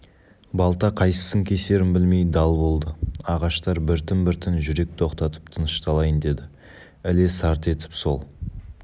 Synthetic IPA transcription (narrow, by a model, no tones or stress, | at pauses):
bɑlˠt̪ɑqʰɑjsə̥səŋkʲʰese̞ɾɪmbɪlme̞jd̪ɑlˠbo̞lˠd̪əɑʁɑʃt̪ɑɾbɪɾt̪ɪmbɪɾt̪ʰɪnʒʏɾe̞k̚t̪ʰo̞qt̪ɑt̪ə̥p̚t̪ʰənəʃt̪ʰɑlˠɑjənd̪e̞d̪ɪ | ælesɑɾt̪e̞t̪ɪ̥pso̞lˠ